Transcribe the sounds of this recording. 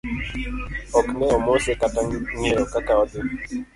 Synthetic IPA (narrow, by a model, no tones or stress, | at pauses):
ɔknɛɔmosekataŋeɾɔkakaɔt̪ɪ